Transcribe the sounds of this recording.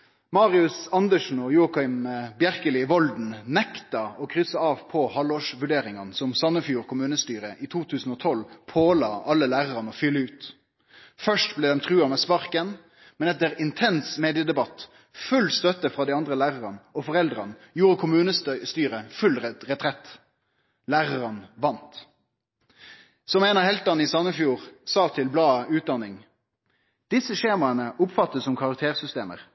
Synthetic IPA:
mɑːʁɪʉsɑnd̪əʂn̩ɔjuːkɑɪmbjæʁkəlɪʋɔld̪n̩nɛkt̪ɑɔkʰɾʏsɑɑːʋpʰɔhɑlɔːʂʋʉɖeːɾɪŋɑnsɔmsɑnːəfjuːʁkʰʊmʉːnəst̪yːɾəʔiːt̪ʰuːt̪ʰʉːsn̩ɔːt̪ʰɔlpʰoːlɑ̰ːʔɑlːəlæːʁɑʁɑnɔfʏlːəʉːt̪ | fœʂʈblɛːd̪ɛmt̪ʰʁʉːɑmɛspɑʁkən | mɛnɛt̪ːəɾɪnt̪ʰɛnsmeːd̪ɪəd̪ɛbɑt̪ | fʉlst̪œt̪əfʁɑːd̪iɑnd̪ʁəlæːʁəʁɑnɔfɔʁɛld̪ʁɑnjuːʁəkʰʊmʉːnəst̪yːʁəfʉlʁɛt̪ʰʁɛt̪ː | læːʁəʁənʋɑnt̪ | sɔmeːnɑhɛlt̪ɑnɪsɑnːəfjuːʁsɑːt̪ʰɪlblɑːʉːt̪̚d̪ɑnɪŋ | d̪̥ɪsəʃeːmɑənəʔʊpfɑt̪ːəsɔmkʰɑʁɑk̚t̪ʰeːʁsʏst̪eːmə̰ʁ

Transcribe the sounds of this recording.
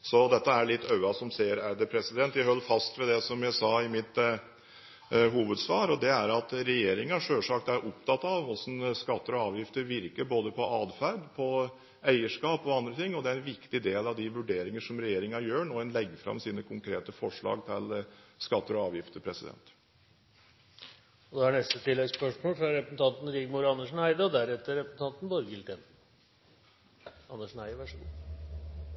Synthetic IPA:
sɔd̪ɛt̪ːəæɭɪt̪ːœʉɑsɔmseːəɾæɾd̪əpʰɾɛsɪd̪ɛnt̪jæɪɦɔlːfɑst̪ʋɛd̪ɛsɔmjæɪsɑːɪmɪt̪ | ɦuːʋəd̪sʋɑːɾɔd̪ɛæɾɑt̪ɾɛjeːɾɪŋɑʂøːlʂɑkt̪æɾʔɔpt̪ʰɑt̪ːɑʋɔsnskɑt̪ːəɾɔɑːʋjɪft̪əɾʋɪɾkəɾboːd̪əpʰɔʔɑːd̪fæɾd̪pʰɔ | æɪəʂkɑːpɔɑnd̪ɾət̪ʰɪŋːɔd̪ɛæɾɛnʋɪkt̪ɪd̪eːlɑʋd̪ɪʋʉɖeːɾɪŋəʂɔmɾɛjeːɾɪŋɑjøːɳoːɛnlɛɡːəfɾɑ̰msiːnəkʰʊŋkʰɾeːt̪əfɔʂɭɑ̰ːɡt̪ʰɪlskɑt̪ːəɾɔɑːʋjɪft̪əpʰɾɛsɪd̪ɛ̰nt̪ | ɔd̪ɛæɳnɛst̪ət̪ʰɪlːɛɡspœʂmoːlfɾɑɾɛpəsn̩t̪ʰɑnt̪n̩ɾɪɡmuːɾɑnːəʂɳæɪd̪ɑd̪æɾɛt̪ːəɾɛpɾəsn̩t̪ʰɑnt̪n̩bɔɾɡɪlt̪ɛn | ɑnːəʂɳæɪʋæʂɡuː

